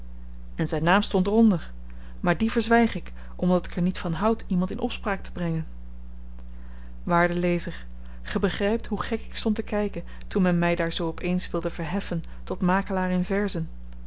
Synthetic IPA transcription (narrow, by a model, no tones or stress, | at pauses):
ɛnzɛjnaːmstɔntrɔndəɹ | maːɹdivəɹzʋɛjχɪk | ʔɔmdɑtɪ̥kɛɹnitfɑnɦʌwtʰimɑntɪnʔɔpspraːk̚tə̥brɛŋən | ʋaːɹdəlejzəɹ | χəbəχrɛjp̚tɦuχɛkɪkstɔntəkɛjkən | tunmɛnmɛjdaːɹzowɔpejnsʋɪlˠdəvəɹɦɛfən | tɔtmaːkəlaːɾɪnvɛɹzən